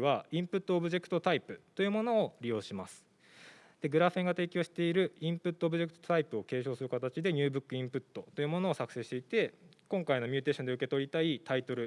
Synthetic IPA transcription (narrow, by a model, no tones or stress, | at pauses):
βaĩmpɯ̟t̪ːo̞ːbɯ̟ʑe̞kɯ̟̥t̪o̞t̪aipɯ̟t̪o̞jɯ̟ːmo̞no̞ːɾʲijo̞ːɕimasɨ̥ | d̪̥e̞ɡɯ̟ɾaɸẽ̞ŋɡat̪e̞ːkʲo̞ːɕi̥t̪e̞iɾɯ̟ĩmpɯ̟t̪ːo̞ːbɯ̟ʑe̞kɯ̟̥t̪ot̪aipɯ̟o̞ke̞ːɕo̞ːsɨɾɯ̟kat̪at͡ɕid̪e̞ɲ̟ɨːbɯ̟kːɯ̟ĩmpɯ̟t̪ːo̞t̪o̞jɯ̟mo̞no̞ːsakɯ̟̥se̞ɕi̥t̪e̞it̪e̞kõ̞ŋkaino̞mʲɨt̪e̞ːɕõ̞nd̪e̞ɯ̟ke̞t̪o̞ɾʲit̪ait̪ait̪o̞ɾɯ̟